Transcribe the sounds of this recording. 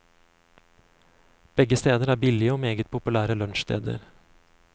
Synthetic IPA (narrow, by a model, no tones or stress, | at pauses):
b̥ɛɡəst̪eːd̪əɾæːɾbɪlɪəoːmeːɡət̪̚pʰʊpʉlæːɾəlœnʃst̪ʰḛːd̪ə̰ɾ